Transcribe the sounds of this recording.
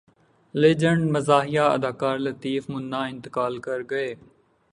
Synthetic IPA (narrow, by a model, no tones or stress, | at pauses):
leːd͡ʒəɳɖməzaːɦɪjaːɐ̰d̪aːkaːɾlɐt̪iːfmʊnːãːɪ̃nt̪ɪkaːlkɐɾɡɐeː